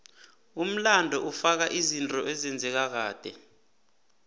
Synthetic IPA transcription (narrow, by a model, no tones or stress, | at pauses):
um̩landʱɔʔufak̬aʔizintʼɔʔɛzɛnd͡zʱɛk̬ak̬aːd̥ʱɛ